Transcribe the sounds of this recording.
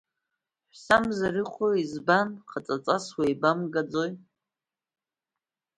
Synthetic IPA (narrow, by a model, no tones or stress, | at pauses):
ħʷᶣsamzaɾɨqʷʰoizbanqʰat͡sʼat͡sʼaswejbamɡad͡zoj